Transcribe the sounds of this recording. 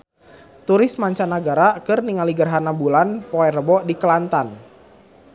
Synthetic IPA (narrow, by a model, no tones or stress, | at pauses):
t̪uɾɪsmaɲt͡ʃanaɡaɾakɨrniŋaliɡərɦanabulanpɔɛɾrəbɔʔdikəlant̪an